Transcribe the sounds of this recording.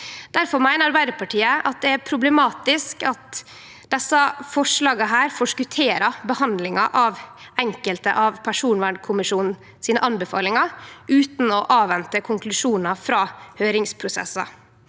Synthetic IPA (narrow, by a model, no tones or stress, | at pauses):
d̪̥æɾfɔɾmæɪnəɑɾbæɪd̪əpʰɑʈʰiːəʔɑt̪̚d̪ɛæɾpʰɾʊblɛmɑːt̪ɪskɑt̪ | d̪̥ɛsːɑfɔʂɭɑːɡəɦæːɾfɔʂkʉt̪ʰeːɾɑbəhɑnd̪lɪŋɑʔɑʋ | ɛŋkəlt̪ə̰ʔɑʋpʰæʂuːnʋæːɳkʰʊmɪʂuːnn̩ | siːnəʔɑnbəfɑ̰ːlɪŋɑʉːt̪n̩ɔʔɑːʋʋɛnt̪əkʰʊŋklʉʂuːnɑfɾɑːhøːɾɪŋspʰɾʊsɛ̰sɑ̰